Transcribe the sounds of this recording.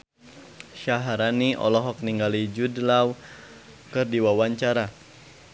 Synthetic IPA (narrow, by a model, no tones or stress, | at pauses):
ʃaɦaɾaniʔɔ̰lɔɦɔk̚niŋɡalid͡ʒudlaw | kɨrdiwawaɲt͡ʃaɾa